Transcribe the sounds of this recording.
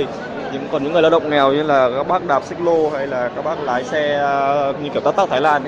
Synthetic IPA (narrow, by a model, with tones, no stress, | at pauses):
ɲ̰˧˥˧ŋ͡mkɔ˨˩nɲɨ̰˧˥ŋ˨˩la˧˦wɗə̰˨wŋ͡m̚ŋɛ˨˩wɲɨ˧laː˨˩kaː˦˥k̚ɓaː˦˥k̚ɗaː˨˩p̚si˦˥k̚lo˧ɦa˧jlaː˨˩kaː˦˥k̚ɓaː˦˥k̚la̰ː˧˦jsɛ˧ɲɨ˧kt̪a˦˥t̪̚ːt̪ʰaː˧˩jlaː˧n